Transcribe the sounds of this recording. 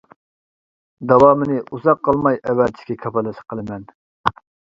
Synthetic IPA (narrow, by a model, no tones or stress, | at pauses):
d̪ɑwɑːmɪnɪʔuzɑqːɑlˠmɑjɛwɛt̪ʰɪ̥ʃʲkʲɛkʲʰɑpɑlˠːɨʃə̥qʰəlˠɨmɛn